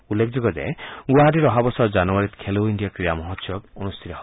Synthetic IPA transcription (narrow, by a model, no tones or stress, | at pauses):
ulːekʰd͡ʒoɡɔd͡ʒa̰eɡuaɦaɾiɾɔɦabɔsɔd͡ʒanɔwaɾit̪kʰelowiɳɖijakɾijamɔɦɔt̪jɔbɔnust̪ʰit̪ɔɦ